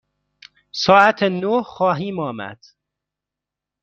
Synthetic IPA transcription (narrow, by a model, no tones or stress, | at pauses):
sɒːæt̪ʰenohxɒːɦiːmɒːmæ̰d̪̥